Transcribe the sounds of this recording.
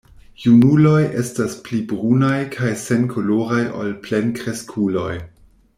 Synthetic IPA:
junulo̞jʔestasplibɾunajkʰajse̞nkʰoloɾajʔo̰lple̞nkɾeskʰulo̞j

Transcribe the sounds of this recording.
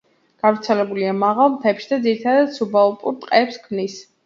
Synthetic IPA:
ɡ̥avɾt̪sʰɛlɛbuliamaʁalˠmt̪ʰɛpʃid̪ad̪ziɾit̪ʰad̪ad̪subaɔpʼṵɾt̪ʼqʼɛpskʰmnis

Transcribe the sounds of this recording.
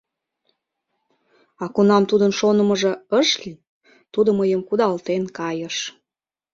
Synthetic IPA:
ɑkunɑmt̪ud̪ənʃonəməʒĕəʃki | t̪ud̪əməjəmkud̪ɑlt̪enkɑjəʃ

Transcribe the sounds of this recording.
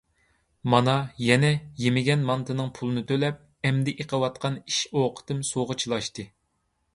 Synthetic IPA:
mɑnɑjɛnɛjemɪɡʲɛnmɑnt̪ʰɨnɨŋpʰulˠɨnɨt̪ʰølɛp̚ | ɛmd̪ɪʔeqʰəwɑt̪̚qʰɑniʃoqʰə̥t̪ɨmsoʁət͡ʃʰilˠɑʃt̪ɨ

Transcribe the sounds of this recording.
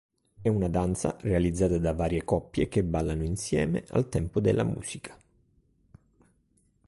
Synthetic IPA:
ɛunad̪ant̪sa̰realid̪zːaːt̪ad̪avaːɾjekɔpːjekebːalːanoinsjɛːmḛʔa̰lt̪ɛmpod̪elːa̰mṵːsikʰḁ

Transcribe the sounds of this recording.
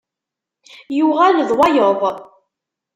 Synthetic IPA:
juʁælðˤwɑjoðˤ

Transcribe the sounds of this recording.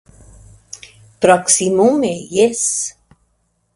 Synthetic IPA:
pɾaksimumejes

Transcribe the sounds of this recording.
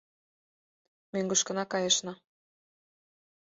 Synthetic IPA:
møŋɡɤ̆ʃkə̆nɑkɑjɤʃnɑ

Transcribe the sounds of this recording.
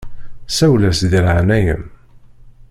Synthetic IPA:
sæwlæsðiɾʕnæjə̰m

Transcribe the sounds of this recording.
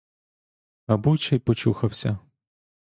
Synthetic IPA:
ɐbut͡ʃɐjpɔt͡ʃuxɐwsʲɐ

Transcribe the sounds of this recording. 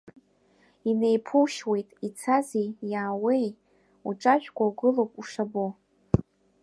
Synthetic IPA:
ine̞jpʰuʃwe̞jtʼit͡sʰazijaːwe̞j | uʈ͡ʂʼaʒᶣkʷʰʼawɡɨlowpʼuʂabo

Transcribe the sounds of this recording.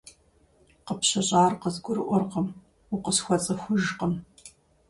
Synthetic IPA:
qəpɕɐɕʼaːrqəzɡʷʊɾɨʔʷɔrqəm | ʊqəsxʷɔt͡sʼɐxʷʊʒqəm

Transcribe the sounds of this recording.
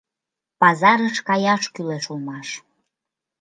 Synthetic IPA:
pɑzɑɾəʃkɑjɑʃkyleʃulmɑʃ

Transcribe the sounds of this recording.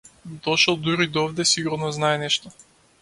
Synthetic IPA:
d̪ɔʃɛlˠd̪uɾid̪ɔvd̪ɛsiɡuɾnɔznaɛnɛʃt̪ɔ

